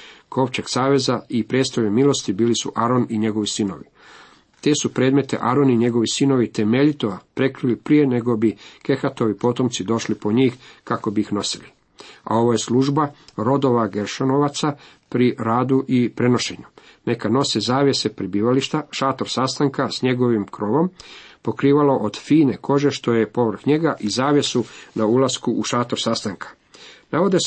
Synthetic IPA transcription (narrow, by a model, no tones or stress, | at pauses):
ko̞ʋt͡ɕe̞ɡ̥saːʋe̞zaipɾed̪st̪ojemilˠo̞st̪ibiːlisṵʔaɾo̞niɲe̞ɡo̞ʋisino̞̰ʋi | t̪e̞ːsupɾed̪me̞t̪e̞̰ʔaɾo̞niɲe̞ɡo̞ʋisino̞ʋit̪e̞me̞ʎit̪oapɾe̞kɾilipɾije̞ne̞ɡo̞bike̞xat̪o̞ʋipo̞t̪o̞mt̪sid̪o̞ʃlipo̞ɲiːxkako̞biːxno̞sili | a̰o̞ʋoje̞sluːʒbaɾo̞d̪o̞ʋaɡe̞ɾʃonoʋat̪sa | pɾiɾaːd̪uʔipɾe̞no̞ʃe̞̰ɲu | ne̞kano̞sizaːʋje̞sepɾibiːʋaliʃt̪aʃaːt̪oɾsast̪aŋkasɲe̞ɡo̞ʋimkɾoːʋo̞mpo̞kɾiːʋalo̞ʔod̪fiːne̞ko̞ʒe̞ʃt̪o̞je̞po̞ʋr̩xɲe̞ɡaʔizaːʋje̞sunaulaskuʔuʃaːt̪oɾsast̪aŋkʰḁ | naʋo̞d̪es